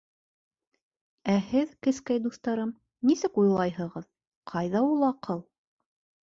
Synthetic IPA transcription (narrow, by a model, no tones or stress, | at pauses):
æhɘðkɘ̆skæjd̪uθt̪ɑɾɤm | nisɘkujlˠɑjhɤ̆ʁɤð | qʰɑjðɑulˠɑqʰɤlˠ